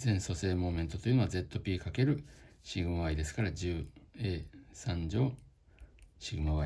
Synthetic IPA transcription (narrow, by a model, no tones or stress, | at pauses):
zẽ̞ɰ̃so̞se̞ːmo̞ːmẽ̞nt̪o̞t̪o̞jɯ̟ːno̞aze̞t̪ːo̞pʲiːkake̞ɾɯ̟ɕiɡɯ̟maβaid̪e̞sɨ̥kaɾad͡ʑɨːeːsãɲd͡ʑo̞ː | ɕiɡɯ̟maβa